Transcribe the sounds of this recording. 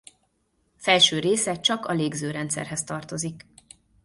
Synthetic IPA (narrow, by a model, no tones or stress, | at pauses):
fɛlʃøːɾeːsɛt͡ʃɒkɒleːɡzøːɾɛnt̪sɛ̰rɦɛst̪ɒrt̪o̞zik